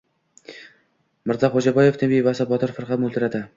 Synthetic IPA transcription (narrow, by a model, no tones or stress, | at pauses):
mɪɾzɒχod͡ʒabɒjeft̪ʰɪbivasabɒt̪ʰɒɾfɪɾʁɑmolˠt̪ɪɾad̪ɪ